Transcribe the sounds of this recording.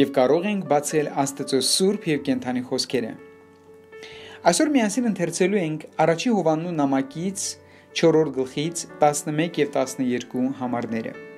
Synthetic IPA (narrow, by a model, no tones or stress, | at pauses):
jɛvkɑɾɔʁɛŋkʰbɑt͡sʰɛlɑst̪ɛt͡sɔsuɾpʰjɛvkɛnt̪ʰɑniχɔskʰɛɾə̰ | ɑjsɔɾmijɑnsinənt̪ʰɛɾt͡sʰɛlujɛŋkʰɑrɑt͡ʃʰihɔvɑnːunɑmɑkit͡sʰ | t͡ʃʰɔɾɔɾt̪̚ʰɡəlχit͡sʰt̪ɑsnəmɛkjɛvt̪ɑsnəjɛɾkuhɑmɑɾnɛɾə̰